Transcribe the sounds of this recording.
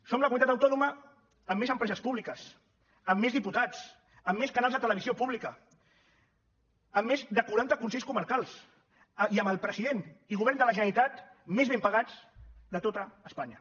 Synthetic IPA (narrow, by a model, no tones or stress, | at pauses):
somləkumit̪at̪əwt̪ɔnumə | əmːezəmpɾɛzəspuβlikəs | əmːezðiput̪at͡s | əmːeskanalˠzðət̪ələβiziopuβlikə | əmːezd̪əkuɾant̪əkunseʎskuməɾkalˠs | iəməlˠpɾəziðeniɣuβɛɾnd̪ələʒənəlit̪at̪mezβ̞empəɣ̞ad͡zd̪ət̪ot̪əːspaɲə